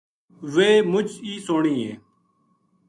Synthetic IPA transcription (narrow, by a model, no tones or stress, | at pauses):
ʋeːmʊd͡ʒiːsoːɳiːɦḛː